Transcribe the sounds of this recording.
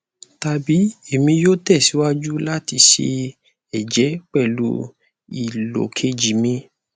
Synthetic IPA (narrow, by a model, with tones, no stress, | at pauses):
ta˧bi˨˦e˦˨mĩ˧jo˦tɛ˦˨si˨˦wa˦d͡ʒu˦la˦ti˧ʃḛ˧ | ɛ˨d͡ʒɛ˨˦k͡pɛ˦˨lu˦ | i˨lo̰˨kʰe˧˦d͡ʒi˨mĩ˧